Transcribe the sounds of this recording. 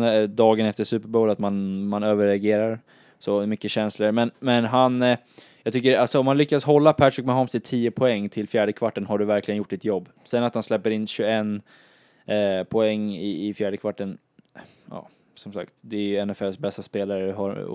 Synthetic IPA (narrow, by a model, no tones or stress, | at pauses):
d̪ɑːɡənɛft̪əsʉ̟ːpəɾboːlat̪manmanøːvəɾɛaɡeːɾaɾ | sɔmʏkːəɕɛnsləɾmɛnmɛnɦan | jɑɡt̪ʏkːəalsɔɔmhanlʏkːadsɦɔlːapʰæʈɾɪkmɛɦɔmst̪ɪt̪ʰiːəpʰɔɛŋːt̪ʰɪlfjæːɖəkʰvaʈːənhaɖɵvæɾklɪɡənjʊʈːdɪt̪jɔbː | sɛənat̪hanslɛpːəɾɪnːɕɵɛn | pʰɔɛŋːɪɪfjæːɖəkʰvaʈːən | jɑ̰ː | sɔmsa̰kt̪d̪ɛæɾjɵɛnɛfɛlsbɛst̪aspeːlaɾəɦa